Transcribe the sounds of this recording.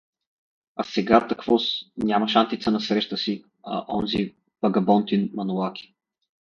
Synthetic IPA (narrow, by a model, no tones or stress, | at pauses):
ɐsɛɡat̪ɐkvɔsnʲamɐʃant̪it̪sənɐsɾɛʃt̪əsi | ɐ̰ʔɔnzi | b̥ɐɡɐbɔnt̪inmɐnuakʲi̥